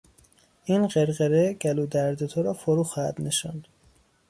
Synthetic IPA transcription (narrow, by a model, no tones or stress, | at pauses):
inɢeɾɣeɾeɟ̥æluːd̪æɾd̪et̪ʰoɾɒːfoɾuːxɒːhæ̰d̪̥neʃɑnd̪̥